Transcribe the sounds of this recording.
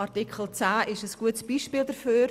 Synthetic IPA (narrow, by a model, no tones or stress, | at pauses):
ɑɾtikχəl̩ˠt͡sæːʔɪʃəsɡ̥uətsb̥iːʃpiːldəɾføː